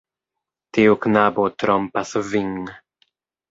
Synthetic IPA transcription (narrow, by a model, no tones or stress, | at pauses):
tiuknabot̪ɾompasviŋ